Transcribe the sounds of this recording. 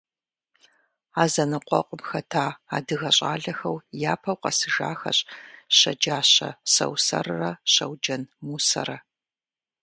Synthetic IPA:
aːzɐnɨqʷʼɔqʷʼʊmxɐtʰaːaːdɨɣɐɕʼa̰ːɮɐxɐwjaːpʰɐwqʼɐsɨʒa̰ːxɐ̰ɕʼɕɐd͡ʒaːɕɐ̰sɐ̰wsɐ̰rɨrɐɕɐwd͡ʒɐnmuːsɐ̰ɾɐ

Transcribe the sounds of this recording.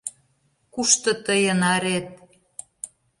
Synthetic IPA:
kuʃt̪ɤ̆t̪əjənɑɾet̪̚

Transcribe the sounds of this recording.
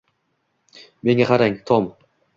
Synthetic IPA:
me̞ŋaqɑɾaŋt̪ʰom

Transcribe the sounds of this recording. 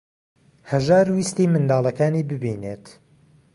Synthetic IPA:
hɐʒaːɾwist̪iːmɨnd̪aːlˠɐkaːniːbɨbiːnet̪

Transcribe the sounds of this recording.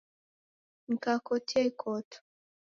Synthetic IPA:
ŋ̩kakɔtʰekʰɔt

